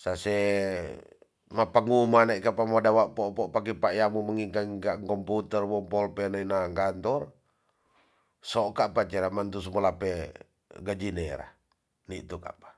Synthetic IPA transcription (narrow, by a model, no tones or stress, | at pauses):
sasɛ | mapaŋumanaikapamɔdawaʔpɔpɔʔpak̬ipaʔjamuməŋikaŋkaŋkɔmput̪ɛrwɔmpɔlpɛnainaŋɡant̪ɔr | sɔkaʔpat͡ʃɛɾamant̪us̬mɔlapɛ | ɡad͡ʒinɛɾa̰ | nḭʔt̪uka̰pḁ